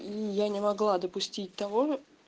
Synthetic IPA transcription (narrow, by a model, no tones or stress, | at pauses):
ijanʲɪmɐɡlˠad̪əpʊsʲtʲit̚ʲt̪ɐvo